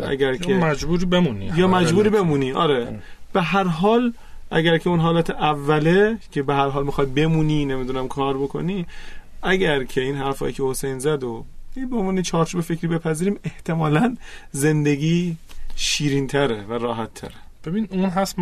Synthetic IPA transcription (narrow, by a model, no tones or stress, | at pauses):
ʔæ̰ɡæɾjʰemæd͡ʒbuːɾibemunḭjɒːmæd͡ʒbuːɾiːbe̞muːniːʔɒ̰ːɾeb̥eɦæɾɦɒːl | ʔæ̰ɟæɾcʰeunɦɒːlæːt̪ʰeʔævːæle̞cʰe̞beɦæɾɦɒːlmixɒj̪̚be̞muːniːne̞mid̪unæmkʰɒːɾbo̞kʰo̞̰niːæɟæɾcʰe̞iːnɦæɾfɒ̰ːjiːcʲʰe̞ho̞sejnzæd̪oibeonvuːnit͡ʃʰɒːɾt͡ʃʰuːbefecʰɾiːbe̞pʰæziːɾiːme̞ht̪ʰe̞mɒːlænze̞nd̪e̞ɡiːʃiːɾiːnt̪ʰæɾevæɾɒːɦæt̪ʰːæ̰ɾeb̥ebiniunɦæs